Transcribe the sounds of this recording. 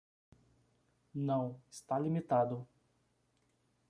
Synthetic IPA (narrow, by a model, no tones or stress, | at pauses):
nɐ̃w̃ɪst̪alimit̪ad̪ʊ